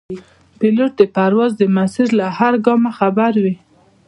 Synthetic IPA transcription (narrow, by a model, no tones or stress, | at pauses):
pɪloʈ̚d̪əpaɾwɑzd̪əmasiɾlahaɾɡɑmaxabaɾwi